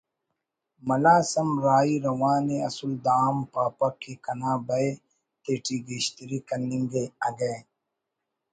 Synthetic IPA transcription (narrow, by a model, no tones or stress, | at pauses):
mɐlaːsɐmɾaːiɾɐwaːneɐsuld̪aːmpaːpɐkːikɐnaːbɐe | t̪eːʈiːɡeɕt̪iɾikɐnːiŋɡeɐɡɐ